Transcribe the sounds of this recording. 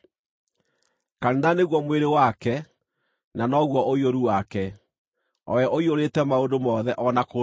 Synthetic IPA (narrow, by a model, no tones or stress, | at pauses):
kaninaneɣwɔmweɾewakɛ | nanɔɣwɔʔoioɾuwakɛ | ɔ̰wɛʔoioɾetɛmaondomɔːðɛʔɔnako